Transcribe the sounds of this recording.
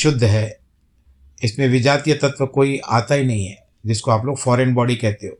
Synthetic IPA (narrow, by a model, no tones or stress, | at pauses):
ʃʊd̪ʱːɦɛː | ɪsmẽʋɪd͡ʒaːt̪ijət̪ɐt̪ʋəkoːiʔaːt̪ainɐɦĩɦɛ | d͡ʒɪskoaːploːɡfɔːɾenbɔːɽikɛɦt̪eɦoː